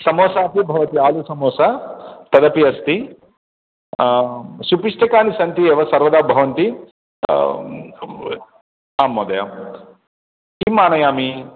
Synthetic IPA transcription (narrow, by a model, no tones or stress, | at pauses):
sɐmoːsaːpibʱɐʋɐt̪iaːlusɐmoːsɐt̪ɐd̪ɐpiɐst̪i | supiʂʈʰɐkaːnisɐnt̪ieːʋɐsɐɾʋɐd̪aːbʱɐʋɐnt̪i | aːmːoːd̪ɐjɐ̰ | kimːaːnɐjaːmi